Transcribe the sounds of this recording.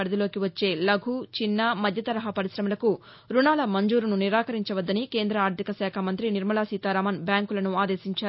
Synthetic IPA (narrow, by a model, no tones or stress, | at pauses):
ɐɽɐd̪ilo̞ːkiʋɐt͡ʃːe̞ːlɐɡʱut͡ʃinːɐmɐd̪ʱjɐt̪ɐɾɐɦɐpɐɾisɾɐmɐlɐku | ɾunaːlɐmɐɲd͡ʒuːɾununiɾaːkɐɾiɲt͡ʃɐʋɐd̪ːɐnike̞ːnd̪ɾɐaːɾd̪ʱikɐsɛːkʰɐmɐnt̪ɾiniɾmɐlaːsiːt̪aːɾaːmɐnbjaːŋkulɐnuaːd̪e̞ːsiɲt͡ʃaː